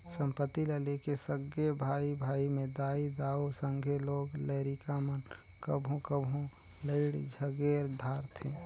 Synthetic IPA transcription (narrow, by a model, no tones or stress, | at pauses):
sə̃mpət̪ːiləlekesəɡebʱaːibʱaːimẽd̪aːid̪aːosə̃ŋɡʱeloːɡleːɾikamən | kəbʱɦũkəbʱɦũ | ləɪɽd͡ʒʱəɡeːɾd̪ʱaːɾt̪ʰẽ